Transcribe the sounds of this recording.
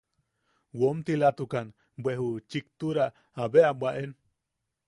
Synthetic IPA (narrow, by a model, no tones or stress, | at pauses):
womt̪ilat̪ukan | bwehut͡ʃik̚t̪uɾaː | βeabwaʔen